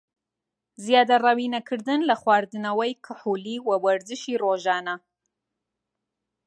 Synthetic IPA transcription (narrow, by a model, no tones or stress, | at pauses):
zjɑd̪aɾawinakʰɨɾd̪ɨnlaχwɑɾd̪ɨnawajkʰəħuliwawaɾzɨʃiɾoʒɑːna